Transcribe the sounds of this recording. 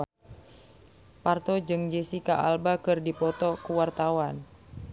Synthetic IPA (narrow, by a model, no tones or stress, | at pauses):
part̪ɔd͡ʒɨŋd͡ʒɛsikaʔalbakɨrdipɔt̪ɔkuwart̪awan